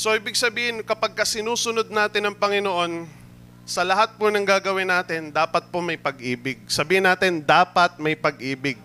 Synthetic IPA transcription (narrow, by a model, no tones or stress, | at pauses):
soʔiːbɪɡ̚sɐbiːhɪnkɐpaɡ̚kɐsɪnuːsʊnod̪̚naːt̪ɪnɐŋpɐŋɪnoʔo̞n | sɐlɐɦat̪̚pʊnɐŋɡaːɡɐwɪnːaːt̪ɪnd̪aːpɐt̪̚pomɐjpɐɡʔiːbɪɡ̚sɐbiːhɪnːaːt̪ɪnd̪aːpɐt̪̚mɐjpɐɡʔiːbɪɡ̚